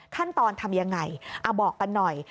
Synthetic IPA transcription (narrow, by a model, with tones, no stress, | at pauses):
kʰa˥˩nt̪ɔː˧nt̪ʰa˧mja˧ŋːa˧jʔa˨˧˩bɔː˨˩kːa˧nːɔ˨˩j